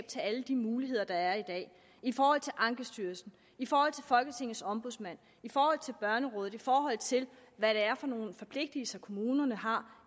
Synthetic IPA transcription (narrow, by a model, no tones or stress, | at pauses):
b̥̚t͡sʰe̝læləd̥imuːliɦe̝ð̞̰ˠɐd̥ɑ̈æɐid̥ɛ̰ː | ifɒːhɒ̽l̰t͡sʰe̝lʔɑ̈ŋɡ̥əsd̥yːɐsn̩ | ifɒːhɒ̽l̰t͡sʰe̝fɒ̽lɡ̥ət͡sʰe̝ŋ̰ð̩ˠsɒ̽mb̥uðˠsmæn̰ | ifɒːhɒ̽l̰t͡sʰe̝lb̥ɶɐnəʁɔːð̩ˠifɒːɦɒ̽l̰ˠt͡sʰe̝l | ʋæɾeæɐfɒ̽no̝ːn̩fɒ̽pʰle̝ɡ̥̚d̥əlsɐkʰo̝muːnɐnəɦɑ̈